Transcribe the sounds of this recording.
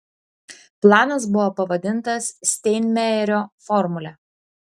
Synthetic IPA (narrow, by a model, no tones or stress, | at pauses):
plˠɑːnɐs̬bʊʋopɐʋɐd̪ʲɪnˑt̪ɐsːʲt̪ʲɛɪnʲmʲæɛɾʲoːfɔɾmʊlʲɛ